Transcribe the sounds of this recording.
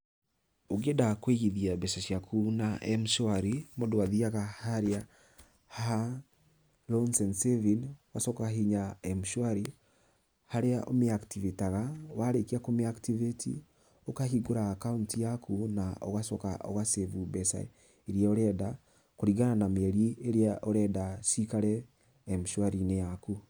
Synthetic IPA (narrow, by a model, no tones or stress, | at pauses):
oɡedakweiɣiðiabɛsaʃjakʰunaʔɛmʃwaɾimodowaðiaɣahaɾea | ha | lɔnsɛnsevinwasɔkaɦiɲaɛmuʃwaɾi | haɾeaʔo̰meaktivitaɣawaɾekiakomeaktivetḭ | okaɦiɡoɾaːkauntjakʰunao̰ɣasɔka̰ʔo̰ɣasevubɛsa̰ | eɾiaoɾɛːda | koɾiɣananamɛɾieɾeaʔoɾɛdasikaɾɛː | mʃwaɾinejaku